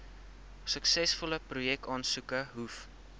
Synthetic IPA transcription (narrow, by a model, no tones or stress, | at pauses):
səksɛsfɔləprujɛk̚tɑːnsukəɦuf